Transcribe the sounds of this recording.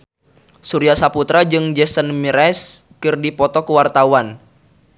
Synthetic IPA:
suɾiasaput̪ɾad͡ʒɨŋd͡ʒɛsənmiɾɛs | kɨrdipɔt̪ɔkuwart̪awan

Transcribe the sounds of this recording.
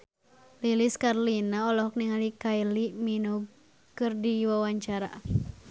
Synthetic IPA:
liliskarlinaɔlɔɦɔk̚niŋalikailiminuɡ | kɨrdiwawaɲt͡ʃaɾa̰

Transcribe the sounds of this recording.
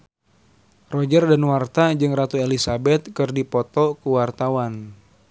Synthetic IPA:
rɔd͡ʒərdanwart̪ad͡ʒɨŋrat̪uelisabɛt̪̚kɨrdipɔt̪ɔkuwart̪awan

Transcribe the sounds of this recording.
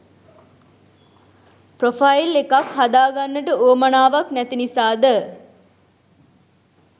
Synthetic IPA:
profajilekakɦad̪aːɡanːəʈəoːmanaːʋaknɛt̪inisaːd̪ə

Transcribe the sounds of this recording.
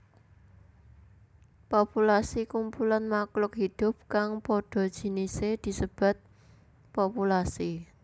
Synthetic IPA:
populasikumpulanmaklʊkhid̪̥ʊ̤p̚kaŋpɔɖ̥ɔ̤d̥ʒ̥i̤nised̪̥i̤səb̥a̤t̪̚ | populasi

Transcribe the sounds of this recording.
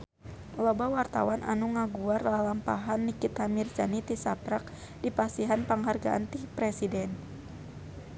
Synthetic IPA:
lɔbawart̪a̰wanʔa̰nuŋaɡuarlalampaɦanːikit̪amird͡ʒanit̪isapɾak̚ | dipast̪iɦanpaŋɦarɡa̰ʔa̰nt̪ipɾɛsidɛn

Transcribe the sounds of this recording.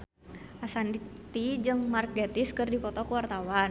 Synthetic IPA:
ʔasant̪id͡ʒɨŋmarkɛt̪iskɨrdipɔt̪ɔkuwart̪awan

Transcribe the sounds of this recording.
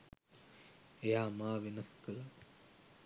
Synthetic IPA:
ejaːmaːʋenɐskəla

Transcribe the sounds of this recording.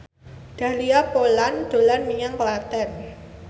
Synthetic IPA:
d̪̥ä̤hliapoland̪̥o̤lanmijaŋklat̪ɛn

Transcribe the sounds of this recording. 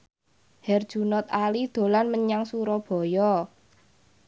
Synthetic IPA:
hɛrd̥ʒ̥ṳnɔt̪̚alid̪̥o̤lanməɲaŋsuɾɔb̥ɔ̤jɔ

